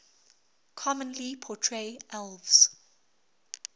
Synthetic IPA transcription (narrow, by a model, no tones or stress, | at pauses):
kʰɔmə̃nlipʰɔtʰɹeʔɛlvs